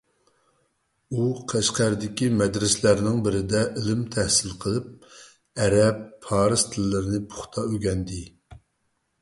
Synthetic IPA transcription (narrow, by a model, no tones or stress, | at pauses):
uqʰæʃqæɾd̪ɪkʲimɛd̪ɾɪslæɾnɪŋbɪɾɪd̪ɛʔilɪmt̪ʰɛhsɪlqʰəlˠɨp̚ | ɛɾɛpːʰɑːɾɨz̥t̪ʰɨlːɨɾɪnɨpʰʊ̥χt̪ʰɑøɡʲɛnd̪ɪ